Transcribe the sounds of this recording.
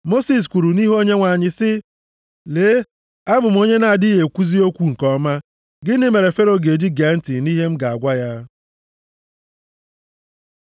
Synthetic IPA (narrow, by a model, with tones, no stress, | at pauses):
mo˦si˨s̬kʷu˨ɾu˨ni˦ɦo˦ɲe˦ŋʷa˨ɲɪ˨sɪ˦ | leː˨˦ | a˦bʊ˨m̩˦o˦ɲe˦na˨a˨di˦ɦe˨kʷu˦zi˦o˦kʷu˦ŋ̩˨kɔ˦ma˦ | ɡɪ˦nɪ˦me˨ɾe˨fe˦ɾo˨ɡe˨d͡ʒi˦ɡe˨˦n̩˦tɪ˨ni˦ɦe˦m̩˦ɡa˨a˨ɡʷa˦ja˦